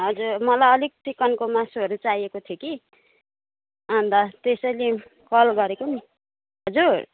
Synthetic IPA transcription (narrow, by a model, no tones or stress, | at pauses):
ɦʌd͡zurmʌlajʌlik̚t͡sikʌnkomasuʌɾut͡sajekot̪ʰijoki | ʌnd̪ʌt̪esʌjle | kʌlɡʌɾekoni | ɦʌd͡zur